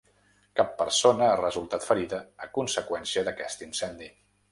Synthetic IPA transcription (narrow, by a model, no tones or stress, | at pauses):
kapːəɾsonəarəzulˠt̪at̪fəɾiðəːkunsəkwɛnsiəðəkɛst̪insɛnd̪i